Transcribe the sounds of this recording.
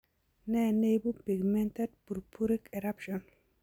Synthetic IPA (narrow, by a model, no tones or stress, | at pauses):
nɛnejbupiɡmɛnted̚puɾpʰuɾikɛɾapʃɔn